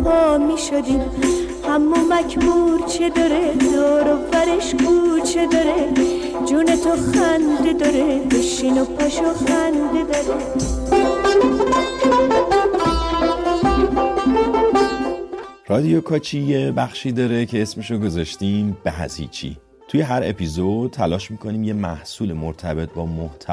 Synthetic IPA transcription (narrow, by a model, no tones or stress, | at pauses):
pʰɔːmiʃod̪iːm | hæmːomæcʰmuɾt͡ʃʰed̪ɒɾed̪ɔːɾovæɾeʃɡuːɾt͡ʃʰed̪ɒɾe | d͡ʒune̞t̪ʰoxænd̪ed̪ɒɾebeʃinopʰæʃoxænd̪e̞d̪ɒɾe | rɒːd̪ijokʰɒːt͡ʃʰiːjebæxʃiːd̪ɒːɾecʰe̞esmeʃoɡo̞zɒːʃt̪iːmb̥eɦæ̰zḭːt͡ʃʰḭ | t̪ʰujeɦæɾe̞̰pizod̪̚t̪ʰælɒːʃmiːkʰoniːmje̞mæ̰hsuːlemoɾt̪ʰæbe̞t̪̚ʰbɒːmoht̪ʰæ